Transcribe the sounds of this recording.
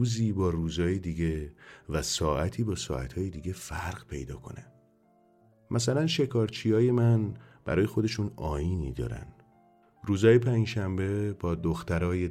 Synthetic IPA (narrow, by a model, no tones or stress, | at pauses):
uːziːbɒːruːzɒːjed̪iːɟe̞væsɒːʔæt̪ʰiːbɒːsɒ̰ːæ̰t̪ʰhɒːjed̪iːɡe̞fæɾɢpʰe̞̰jd̪ɒ̰ːkʰo̞ne | mʔæsælænʃe̞kʰɒːɾt͡ʃʰiːjɒːje̞mænb̥æ̰ɾɒːjexo̞d̪e̞ʃuːnɒ̰ːjiːnḭːd̪ɒ̰ːɾæ̰n | ruːzɒːje̞pʰænd͡ʒʃæmbe̞bɒːd̪oxt̪æɾɒːje